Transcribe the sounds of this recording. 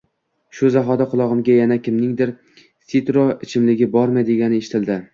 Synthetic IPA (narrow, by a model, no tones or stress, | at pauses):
ʃʊzaɦɒd̪aqʰʊlˠɒʁɨmɡʲajanakʲʰɪmnɪŋd̪ɪɾ | sit̪ɾoɪt͡ʃʰɪmlɪɡʲɪbɒɾmajd̪eɡʲanɪeʃɪ̥t̪ʰɪld̪ɪ